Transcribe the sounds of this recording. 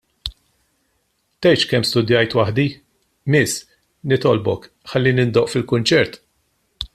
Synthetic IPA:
t̪ɛjt͡ʃkɛmːst̪ʊd̪jɐjt̪wɐħd̪i | mɪs | nɪt̪ɔlbɔk | ħɐlːinɪnd̪ɔʔfɪlkʊnt͡ʃɛɾt̪

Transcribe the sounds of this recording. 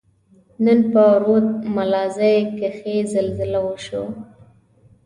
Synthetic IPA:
nənpəɾod̪̚malɑzajkaxezalzɪlawəʃo̰

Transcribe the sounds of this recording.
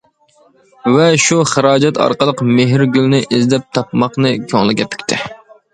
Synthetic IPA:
vɛʃuχəɾɑːd͡ʒɛt̪ʰɑ̰ɾqəlˠəqmeɦɾɡʲylnɪʔɪzd̪ɛp̚t̪ʰɑpmɑqnɨkʲʰøŋlˠɪɡʲɛpʰy̥kʲt̪ʰɪ

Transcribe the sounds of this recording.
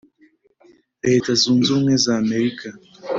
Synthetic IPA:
ɛtazunzuŋɛzaːmɛɾikʰa

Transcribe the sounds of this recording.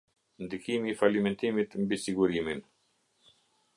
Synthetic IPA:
nd̪ikimiːfalimɛnt̪imit̪mbisiɡuɾimin

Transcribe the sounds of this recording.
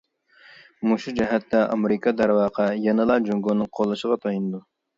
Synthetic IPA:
muʃud͡ʒɛɦɛt̪ːɛɑ̰meɾɨkʰɑd̪æɾwɑːqʰɑjɛnɨlˠɑd͡ʒuŋɡonɨŋqʰolˠːɨʃəʁɑt̪ʰɑjunɨd̪u

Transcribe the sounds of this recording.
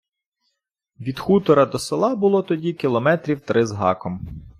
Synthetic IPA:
ʋʲid̪xut̪ɔɾɐd̪ɔselˠɑbʊlˠɔt̪ɔdʲikʲilˠɔmɛt̪ɾʲiwt̪ɾʔɪzɦɑ̰kɔm

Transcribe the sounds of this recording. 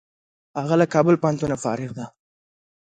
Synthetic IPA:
haɣalakɑbəlpɑnt̪unafɑ̰ɾɪɣd̪a

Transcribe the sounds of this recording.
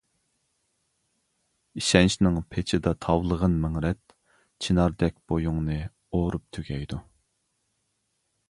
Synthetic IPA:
iʃɛnʃnɨŋpʰet͡ʃʰɪd̪ɑt̪ʰɑwlˠəʁənmɪŋɾɛt̪ | t͡ʃʰinɑɾd̪ɛk̚ʲb̥ojuŋnɨ | oɾup̚t̪ʰyɡʲɛjd̪u

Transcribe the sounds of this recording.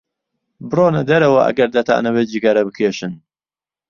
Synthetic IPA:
bɨroːnɐd̪ɐɾɐwɐʔɐ̰ɡɐɾd̪ɐt̪ʰa̰ːnɐbet̪d͡ʒiɡaɾɐbɨkʰeʃɨn

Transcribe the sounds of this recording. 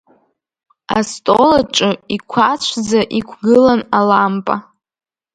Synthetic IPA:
astʼolaʈ͡ʂʼɨikʷʰat͡ʃʷʰzaʔikʷʰɡɨlanalampʼa

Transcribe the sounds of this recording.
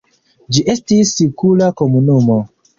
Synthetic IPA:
d͡ʒiʔe̞stisːikulako̞munumo̞

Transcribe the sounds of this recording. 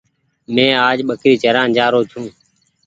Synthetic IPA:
mẽːaːd͡ʒɓəkɾiːt͡ʃəɾãːnd͡ʒaːɾoːt͡ʃʰũː

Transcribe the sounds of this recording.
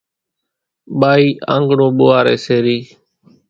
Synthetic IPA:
ɓaːiːʔã̰ːŋɡɳõːɓʊːaːɾḛːseːɾiː

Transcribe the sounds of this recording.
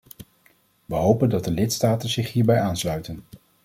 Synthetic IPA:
ʋəɦowpəndɑd̚dəlɪtstaːtənzɪχɦiːɹbɛjaːnslœɥtən

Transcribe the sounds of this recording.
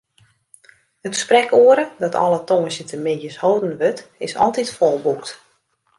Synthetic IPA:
hətsprɛkuəɾədɔtʰɔ̰lˠətoŋəsjətʰəmɪjəshowdən̩ʋøtɪsɔ̰lˠtitfɔlˠbukt

